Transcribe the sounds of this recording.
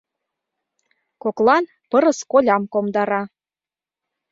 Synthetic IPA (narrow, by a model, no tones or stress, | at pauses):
koklˠɑn | pɤ̆ɾɤ̆skolʲɑmkomd̪ɑɾɑ